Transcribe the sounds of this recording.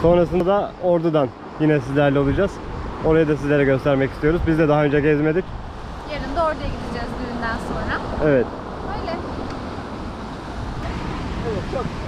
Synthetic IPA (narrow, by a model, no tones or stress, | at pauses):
so̞nɾas̬ɯnd̪aoɾd̪ud̪an | jinɛsizlʲæɾlʲɛo̞lˠud͡ʒaz̥ | o̞ɾajaɯd̪as̬izlʲe̞ɾɛɟø̞st̪ʰæɾmɛcist̪ijo̞ɾuzbizd̪ɛd̪aɦaø̞nd͡ʒɛɟɛzme̞d̪ic | jeɾind̪ɛoɾt̪ʰajaɟid̪id͡ʒɛzb̪yynd̪ænso̞nɾaɛvɛt̪ | øjlʲɛ | et͡ʃʰok